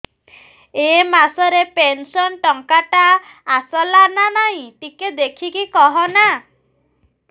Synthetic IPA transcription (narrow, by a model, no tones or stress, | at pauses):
emasɔɾepensɔnʈɔŋkaʈaː | sɔlananaɦĩʈiked̪ekʰikikɔɦɔna